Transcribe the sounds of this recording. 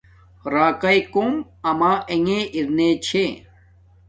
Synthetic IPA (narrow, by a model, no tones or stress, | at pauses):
ɾaːkɐikoːm | ɐmaːʔeŋẽːʔiɾneːt͡ɕʰe